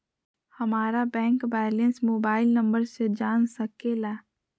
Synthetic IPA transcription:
həmaːɾabɛ̃ːŋkbɛːlensmoːbaːɪlnəmbəɾsed͡ʒaːnsəkelaː

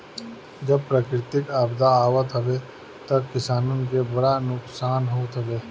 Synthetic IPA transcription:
d͡ʒəb̚pɾaːkɾɪt̪ɪkaːbd̪aːʋət̪ɦɐʋe | t̪ɐkɪsaːnõk̬ebɐɽanʊksaːnɦoːt̪ɦɐbeː

